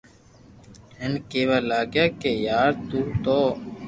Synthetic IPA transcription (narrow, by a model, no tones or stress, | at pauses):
ɦɪnkeːʋaːlaːɡjaːkeːjaːɾt̪uːt̪oː